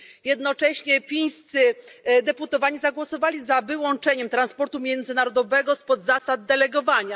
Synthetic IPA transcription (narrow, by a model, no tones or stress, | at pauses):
jɛd̪nɔt͡ʂɛɕɲɛfʲij̃st̪sɘd̪ɛput̪ɔvaɲizaɡwɔsɔvalʲizavɘwɔnt͡ʂɛɲɛmt̪ɾanspɔɾt̪umʲjɛnd̪zɘnaɾɔd̪ɔvɛɡɔspɔd̪zasad̪̚ːɛlɛɡɔvaɲa